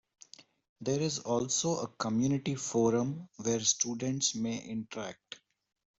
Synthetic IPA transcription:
d̪eːɾɪzɔːlsoːəkəmjuːnɪʈifoːɾə̃mʋeːɾsʈuːɖə̃ɳʈsmeːʔɪ̃ɳʈəɾæk̚ʈ

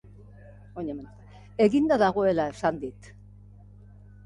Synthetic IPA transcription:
oɲem | e̞ɣind̪aðaɣ̞o̞e̞lae̞sand̪it̪

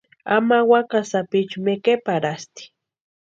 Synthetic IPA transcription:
a̰mawakasapɪt͡ʃʊmekepaɾast̪i̥

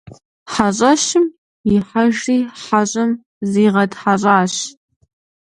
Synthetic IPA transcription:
ħaɕʼɐɕɪm | ɪħaʒiːħaɕʼɨm | ziːʁɐdħaɕʼaːɕ

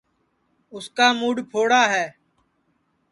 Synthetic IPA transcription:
ʊskaːmuːɖpʰoːɽaːɦɛː

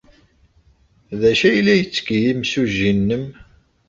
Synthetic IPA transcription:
ðæʃæjlːæjət͡sːə̥kjimsuʒinːəm

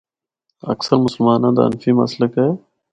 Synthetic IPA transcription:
ɐ̰ksəɾmʊsəlmaːnãːd̪a̰ə̰nfiːmɐsləke

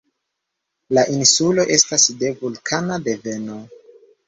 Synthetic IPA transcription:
laʔinsulo̞ʔe̞stasde̞vulkʰanade̞ve̞no̞

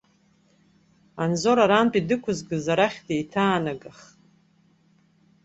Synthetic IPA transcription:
anzo̞ɾaɾampʼidɨkʷʰʊzɡɨzaɾaχʲdejtʰaːnaɡaχtʼ

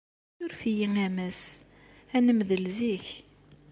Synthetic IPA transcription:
jʊɾfijiŋæmæs | ænəmðəlziç

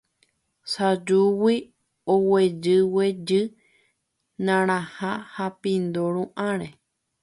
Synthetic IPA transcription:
sad͡ʒuwi | owed͡ʒɨwed͡ʒɨ | nãɾ̃ãhãhapĩnd̪oɾũʔãɾe

